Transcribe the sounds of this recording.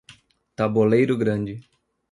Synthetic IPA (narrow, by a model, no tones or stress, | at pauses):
t̪abolejɾʊɡɾɐ̃d͡ʒɪ